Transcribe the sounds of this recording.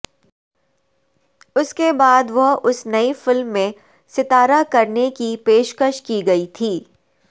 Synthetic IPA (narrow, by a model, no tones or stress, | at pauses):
ʊskebaːd̪ʋɐɦʊsnɐifɪlmːẽ | sɪt̪aːɾakɐɾnekipeːʃkəʃkiɡɐit̪ʰiː